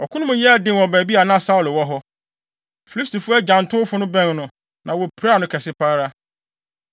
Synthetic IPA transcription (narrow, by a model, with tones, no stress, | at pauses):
ɔ˨kʰʊ˦ʊ̃˦mũ˦jɛ˦˨dɪ̃˦˨wɔ˨bæ˨bi˦a˨nã˦sa˦ʊ˨lʊ˨wɔ˦ɦɔ˦ | fi˨li˦sti˨fu˦ɛ˦d͡ʑã˨n˨tʰʊ˦fʊ˦nʊ̃˦bɛ̃˦˨nnʊ̃˨ | nʔã˨wɔ˨pʰɾa˦˨nʊ̃˦kʰɛ˨sɪ˦pʰaː˦ɾa˦